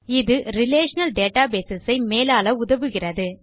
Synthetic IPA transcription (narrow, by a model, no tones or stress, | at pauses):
ɪðɯɾɪleːʂɐnɐlɖeːʈaːbeːsɪsɐɪmeːlaːlɐʊðɐʋɯɣɪrɐðɯ